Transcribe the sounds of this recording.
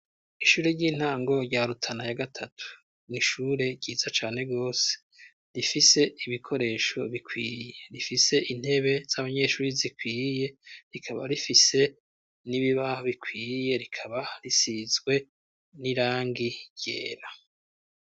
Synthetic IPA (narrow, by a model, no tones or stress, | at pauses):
iʃuːɾeɾɟiːn̥aːŋɡo̞ɾɟaɾutʰanajaɡatʰatʰu̥ | niʃuɾe̞ɟiːzat͡ʃaːn̥e̞ɡo̞ːse̥ | ɾifise̞iβikʰo̞ɾe̞ːʃo̞βikʰwiːje̞ɾifise̞ʔin̥he̞βe̞z̥aβaɲe̞ːʃuːɾizikwiːje̞ɾikʰaβa̰ɾifise̞ | niβiβahoβikwiːje̞ɾikʰaβaɾisizɡwe̞ | niɾaːŋɡiɟ̥e̞̰ːɾa